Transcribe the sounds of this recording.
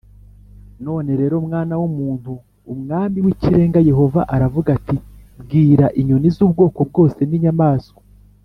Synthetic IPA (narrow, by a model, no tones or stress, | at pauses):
no̞ːne̞ɾe̞ːɾo̞mŋaːnawumuːn̥huː | mŋaːmiwiciɾe̞ːŋɡaje̞ɦo̞vaʔaɾavuɡatibɡiːɾaʔiɲonizuːb̚ɡo̞ːko̞b̚ɡo̞ːse̞niɲamaːsko